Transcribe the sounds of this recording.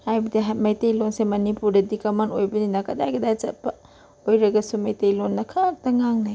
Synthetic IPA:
hajbɐdiɦamɐjtejlonsemɐnipuɾdɐdikɐmɐntojbɐninɐkɐdajɡɐdat͡ʃɐ̰t̚pɐ | ojɾɐɡɐsumɐjtejlonːɐkʰak̚tɐŋaŋnaj

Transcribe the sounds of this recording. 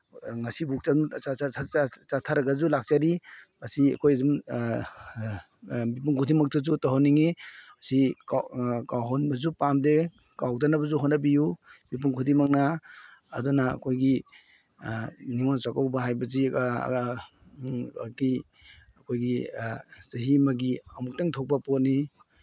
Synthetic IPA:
ŋasibuk̚t͡ʃaa | t͡ʃatʰaɾaɡazulak̚t͡ʃaɾimasia̰kʰojzum | bip̬uŋkʰutʰimak̚tazutɔɦɔnːiŋisikkawɦɔnbazupamde | kawdanabazuɦɔnabijumip̬uŋkʰutʰimak̚na̰ː | dɔna̰ːkʰojɡi | niŋonsakawbaɦajbɐzḭ | ki | ɐkʰojɡi | sɐɦimaɡiamuk̚taŋtʰɔk̚bapɔt̚ni

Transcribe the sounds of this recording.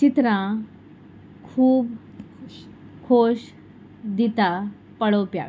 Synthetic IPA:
t͡ɕit̪ɾã | kʰuːb | kʰoɕ | d̪it̪a | pəɽopja̰

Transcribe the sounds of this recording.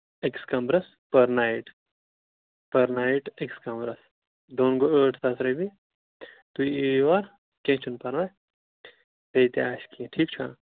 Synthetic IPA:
ekskɐmbɾɐs | pɐɾnaːiʈ | pɐɾnaːiʈekskɐ̃mbɾɐs | d̪oːnɡoəːʈʰt̪ɐsɾɐbi | t̪uiʋaɾ | kẽːt͡ʃʰunpɐɾʋaj | pet̪iaːʃkiẽʈʰiːkt͡ʃʰa̰

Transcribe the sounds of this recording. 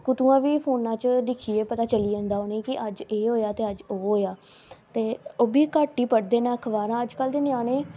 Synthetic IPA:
kʊt̪ũːãːʋiːpʰoːnãːt͡ʃd̪ɪkʰiːeːpət̪aːt͡ʃəliːə̃ːnd̪aːoːnẽːkɪʔəd͡ʒeːɦoːjaːt̪eːəd͡ʒoːɦoːjaː | t̪eːoːbiːkaːʈːiːpəɽd̪eːnãːkʰʋaːɾãːəd͡ʒkəld̪eːnɪaːɽ̃eː

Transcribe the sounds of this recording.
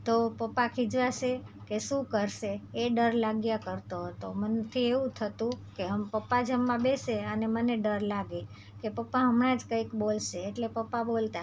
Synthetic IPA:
t̪opəpːakʰid͡ʒʋaʃekeʃũkəɾʃeːɖəɾlaɡjakəɾt̪oɦət̪omənt̪ʰieʋũt̪ʰət̪ũkeɦəmpəpːad͡ʒəmːãbeseəneməneɖəɾlaɡe | kepəpːaɦəmnãd͡ʒkə̃ikbolʃeːʈlepəpːabolt̪a

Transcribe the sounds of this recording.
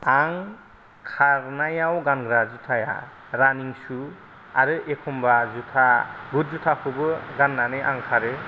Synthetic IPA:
aŋ | kʰaɾnajawɡanɡɾazutʰaja̰ | ɾaniŋsu | aɾɯʔekʰɔmbazutʰaɡut̚zutʰakʰɯbɯɡanːanɯʔa̰ŋkʰaɾɯ

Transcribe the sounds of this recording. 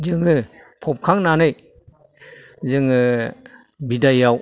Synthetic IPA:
zɯŋɯ | pʰɔp̚kʰaŋnanɯj | zɯŋɯ | bidajaw

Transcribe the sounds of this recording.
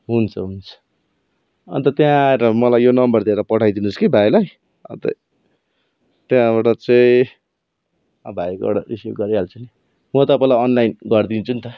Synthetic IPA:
ɦunt͡sʰʌɦunt͡sʰʌ̥ | ʌ̰nt̪ʌt̪jãeɾʌmʌlajjonʌmbʌrd̪ʱieɾʌpʌʈʰajd̪inuskibʱajlaj | ʌ̰nt̪ʌ̰ | t̪jãbaʈʌt͡sʌĩ | ʌbʱajkʌ̰ɽarisiɡʌɾiɦalt͡sʰʌni | mʌt̪ʌpailaʌnlajnɡʌrd̪int͡sʰunt̪ʌ

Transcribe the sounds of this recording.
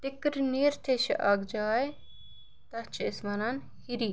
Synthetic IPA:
t̪ikɾniːɾt̪ʰeʃḭʔaɡd͡ʒaːj | t̪ɐt͡ʃʰismɐnan | hiɾiː

